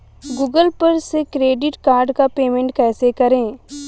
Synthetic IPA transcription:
ɡuːɡəlpɐɾsekɾeːɖɪʈkaːɾɖkapeːmẽɳʈkɛːsekɐɾẽː

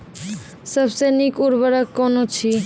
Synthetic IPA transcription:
səbsenikuɾbəɾakːɔnot͡ʃʰi

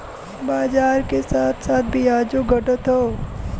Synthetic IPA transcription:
baːd͡ʒaːɾkesaːt̪ʰsaːt̪̚ʰbʱiaːd͡ʒoɡʱəʈət̪ɦoː

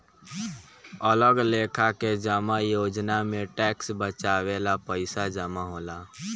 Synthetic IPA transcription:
ələɡleːkʰaked͡ʒəmajoːd͡ʒnamẽʈɛːksbət͡ʃaːwelapəɪsad͡ʒəmaɦoːlaː

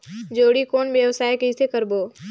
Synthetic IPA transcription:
d͡ʒoːɽikoːnʋjəʋsaːjkeisekəɾboː

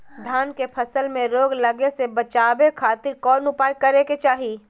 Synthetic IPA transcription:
d̪ʱaːnkepʰɐsəlmẽɾoːɡlɐɡesebɐt͡ʃaːbekʰaːt̪ɪɾkɔːɾnʊpaːjkɐɾeket͡ʃaːɦiː

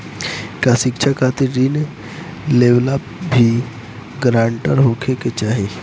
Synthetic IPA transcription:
kasɪkt͡ʃʰakʰat̪iɾin | leʋlapbʱi | ɡɾãːɳʈəɾɦokʰeket͡ʃaːɦe

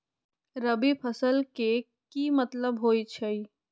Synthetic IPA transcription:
ɾəbipʰəsəlke | kimət̪ləbɦoːit͡ʃʰɐi

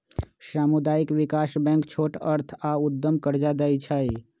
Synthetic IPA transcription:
saːmud̪aːikʋɪkaːsbɛ̃ŋkt͡ʃʰoːʈəɾt̪ʰaʊd̪ːəmkəɾd͡ʒad̪əit͡ʃʰai

